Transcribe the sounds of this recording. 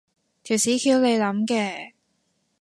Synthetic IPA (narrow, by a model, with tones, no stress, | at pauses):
t̪ʰiː˨˩wsiː˨˥kʰiː˧wne˨˧jlɐ˨˥mkɛː˧